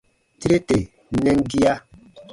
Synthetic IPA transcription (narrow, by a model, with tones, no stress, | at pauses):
ti˦ɾe˦te˨˦ | nɛ˦ŋ˦ɡi˦ja˦